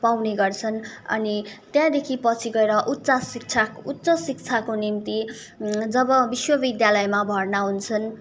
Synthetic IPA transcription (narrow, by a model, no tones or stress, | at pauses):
pawneɡʌrt͡sʰʌnʌ̰nit̪jãd̪ekʰipʌt͡sʰiɡʌeɾʌʔut̪ːsasik̚t͡sʰakut̪ːt͡sʌsik̚t͡sʰakonimt̪i | d͡zʌbʌbiswʌbid̪jalʌjmabʱʌrnaɦunt͡sʰʌn